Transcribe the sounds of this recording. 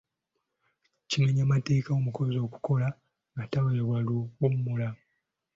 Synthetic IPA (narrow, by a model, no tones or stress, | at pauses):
cimeɲamate̞ːkaomuko̞zo̞ːku̥ko̞la | ŋɡataβaeβwaluɡumumula